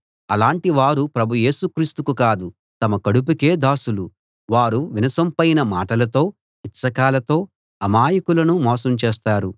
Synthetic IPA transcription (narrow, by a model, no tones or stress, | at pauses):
ɐlaːɳʈiʋaːɾupɾɐbʱuje̞ːsukɾiːst̪ukukaːd̪u | t̪ɐmɐkɐɽup̬ike̞ːd̪aːsulu | ʋaːɾuʋinɐsɐmpɐjnɐmaːʈɐlɐt̪o̞ː | it̪sɐkaːlɐt̪o̞ː | ɐmaːjɐkulɐnumɔːsɐmt͡ʃeːst̪aːɾu